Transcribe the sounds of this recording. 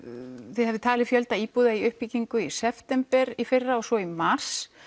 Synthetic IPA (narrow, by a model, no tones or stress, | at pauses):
θɪðɦɛvðɪt̪ʰaːlɪfjœlt̪aiːpuːðaiʏhpiciŋkʏisɛft̪ɛmpɛɾifɪrːaɔsɔimar̥s